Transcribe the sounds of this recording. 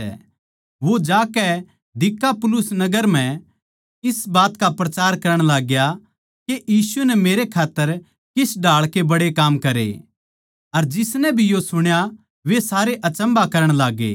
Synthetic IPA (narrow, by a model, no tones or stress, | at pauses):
ɛ̰ | ʋod͡ʒaːkɛ | d̪ɪkːapʊlʊsnɐɡəɾm̤ɛ̃ | ɪsbaːt̪kapɾɐt͡ʃaːɾkɐɾəɽ̃laːɡja | keʔjiːsuɛnɛmeːɾekʰaːt̪ːəɾ | kɪsɖʱaːɭkebɐɽekaːmkɐɾḛ | ɐɾd͡ʒɪsnɛbʱijosʊɽ̃ja | ʋesaːɾeʔɐt͡ʃə̃mbakɐɾəɽ̃laːɡḛː